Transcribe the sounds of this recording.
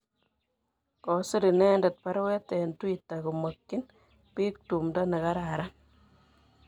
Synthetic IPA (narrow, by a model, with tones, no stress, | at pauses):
kɔ˨si˦ɾi˨nɛ˦ndɛ˨t̚pa˦ɾwɛ˦tɛ˨ntwi˨tːa˨ku˨mo˨kːi˦n | pi˦k̚tu˨mdɔ˦ne˨ka˦ɾa˨ɾa˦n